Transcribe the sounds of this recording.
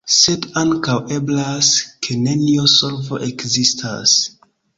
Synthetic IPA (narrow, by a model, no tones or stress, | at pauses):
se̞daŋkawe̞blaskʰe̞ne̞niosolvo̞̰ʔe̞kzistʰa̰s